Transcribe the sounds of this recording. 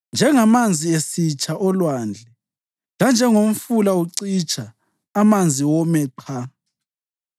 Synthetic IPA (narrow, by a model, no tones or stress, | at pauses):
nd͡ʒʱɛŋamand͡zʱiesit͡ʃʰʼaʔɔlwaːnd͡ɮʱɛ | land͡ʒʱɛŋom̩fulauǀit͡ʃʼaː | mand͡zʱiwɔmɛǃʰa